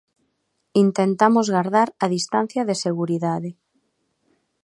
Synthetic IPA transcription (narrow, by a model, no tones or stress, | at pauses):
int̪ent̪amozɣaɾðaɾaðist̪an̟θjaðeseɣuɾiðaðe